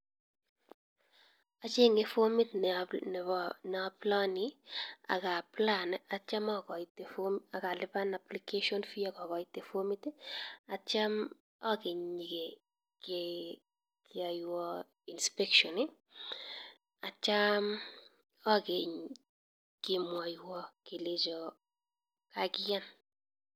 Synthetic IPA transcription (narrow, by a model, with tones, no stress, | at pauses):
a˨t͡ʃe˦ŋe˦fo˦mi˦tn˨n˨n˨ɔ˦plɔ˦ni˦a̰˨ka˨pla˦na˨t͡ʃa˦mɔ˦kɔ˨ite˨foma˨ka˨lɪ˦pa˦na˨plike˦ʃɔ˦nfi˦a˦kɔ˨kɔ˨itːe˨fo˦mi˦ta˨t͡ʃa˦m | ɔ˦ke˨ɲi˨ke˨ | ke | kʰɪa˨jwɔ˦ | i˨nspɛ˦kʃɔ˨nɪ˦ | a˨t͡ʃa˦m | ɔ˦ke˨ɲ | kɪ˨mwa˨jwɔ˦ke˨le˦d͡ʒɔ˨ | kakɪja˦n